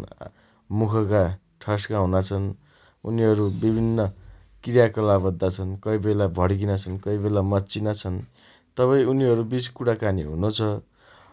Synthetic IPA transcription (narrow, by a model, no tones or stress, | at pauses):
mukʰʌka | ʈʰʌskaɦũnat͡sʰʌn | ṵniɦʌɾubibʱinːʌ | kirjakʌlabʌd̪ːat͡sʰʌnkʌibelabʱʌɽɡinat͡sʰʌnkʌibelamʌtːt͡sinat͡sʰʌn | t̪ʌpaĩuniɦʌɾubit͡skuɽakaniɦṵnot͡sʰʌ